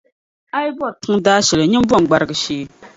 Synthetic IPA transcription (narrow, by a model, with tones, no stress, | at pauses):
a˦jbɔ˦˨ɾtɨ˦ŋ˦daː˦ʃɛ˨lɨ˨ɲɛ˦m˦bɔ˦˨ŋ˨ɡ͡ba˨ɾɨ˨ɡɨ˨ʃeː˦